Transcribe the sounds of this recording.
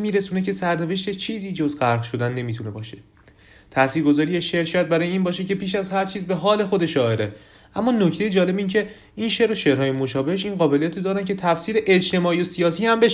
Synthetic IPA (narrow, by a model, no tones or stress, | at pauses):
miːɾesuːne̞cʰe̞sæɾne̞ve̞ʃt̪et͡ʃʰiːziːd͡ʒo̞zɢæɾɣʃo̞d̪ænːe̞miːt̪ʰune̞bɒːʃe̞ | t̪ʰæsiːɾɡo̞zɒːɾijeʃe̞ɾʃʰæt̪̚bæɾɒːjeiːnbɒːʃ̬ecʰe̞pʰiːʃæzhæɾt͡ʃʰiːzbe̞ɦɒːle̞xo̞d̪e̞ʃɒːe̞ɾe | ʔæmːɒːnocʰt̪ejed͡ʒɒːle̞biːncʰe̞ | inʃeɾoʃe̞ɾhɒːjemo̞ʃɒːbe̞heʃiːnɢɒːbe̞lijæt̪ʰod̪ɒːɾæncʰe̞t̪ʰæfsiːɾeʔed͡ʒt̪ʰe̞mɒːijosiɒːsiːhæmbe